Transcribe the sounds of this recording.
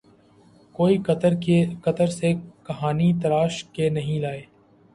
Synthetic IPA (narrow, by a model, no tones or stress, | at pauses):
koːiɾkɐt̪əɾsekɐɦaːnit̪̬ɐɾaːʃkenɐɦĩlaːeː